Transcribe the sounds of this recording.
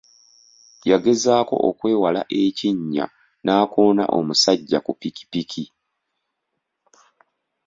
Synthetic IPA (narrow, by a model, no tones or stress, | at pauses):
jaɡe̞zaːko̞̰ʔokwe̞ːwala̰ʔe̞ciɲːa̰ | naːko̞ːna̰ʔo̞̰musaɟːakupiki̥pikʰi